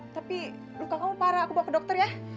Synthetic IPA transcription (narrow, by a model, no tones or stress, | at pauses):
t̪api | lukaŋamupaɾaːkubawkədɔk̚t̪ərja